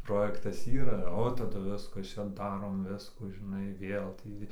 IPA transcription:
ˈproːjɛktɐs ˈiːrɐ oː tɐˈdʊ ˈʋʲɪskɐs ˈt͡ʃʲɛ ˈdɑːroːm ˈʋʲɪskuː ʒʲɪˈnɐɪ ˈʋʲeːlˠ ˈtʲiː

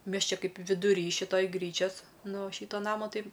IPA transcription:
ˈmʲɛs ˈt͡ʃʲɛ ˈkɐɪp ʋʲɪdʊˈrʲiː ʃʲɪˈtoːj ˈɡrʲiːt͡ʃʲɛs ˈnʊ ˈʃʲiːtoː ˈnɑːmoː ˈtɐɪ

